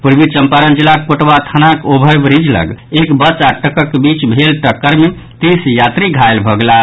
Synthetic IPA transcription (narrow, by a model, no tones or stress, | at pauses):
puɾbit͡ʃəmpaɾənd͡ʒilakkoʈbat̪ʰanakobʱəjbɾid͡ʒlə̰ɡekbət͡ʃaʈəkəkbit͡ʃbʱelʈəkːəɾme | t̪isjat̪ɾiɡʱajlbʱəɡla